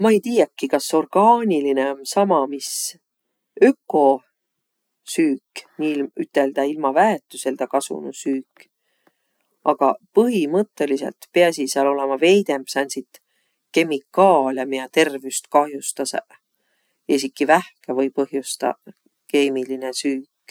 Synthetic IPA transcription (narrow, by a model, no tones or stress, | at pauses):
mɑejt̪iːjekːikɑso̞rɡ̥ɑːnʲilineonsɑmɑmis | økːˑo̞ | syːkniilmyt̪ːˑe̞ld̪̥ɑilmɑvæet̪ːˑuse̞ld̪̥ɑkɑsṵnusyːkː | ʔɑɡ̥ɑpɤɦimɤt̪ːˑe̞lise̞̰lt̪peɑsiseɑlo̞lemɑve̞jd̪e̞mbsɑnʲsit̪ | ke̞mikːɑːljɑmiɑt̪e̞rviust̪kɑhjust̪ɑse | esikːivæhkevɤjpɤɦjust̪ɑ̰ | ke̞ːmilinesyːkˑ